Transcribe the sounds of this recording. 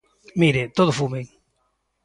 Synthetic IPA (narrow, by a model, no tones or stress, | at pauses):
miɾet̪oðʊfumeŋ